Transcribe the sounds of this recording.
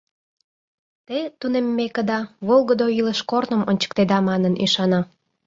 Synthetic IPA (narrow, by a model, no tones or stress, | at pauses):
t̪et̪unemːekə̆d̪ɑβolˠɣəd̪oiləʃkornə̆mənʲt͡ɕə̥k̚t̪ed̪ɑmɑnənḭʃɑnɑ